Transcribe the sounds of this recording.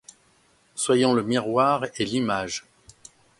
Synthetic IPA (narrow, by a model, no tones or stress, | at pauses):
swajɑ̃ləmiʁwaʁelimaʒ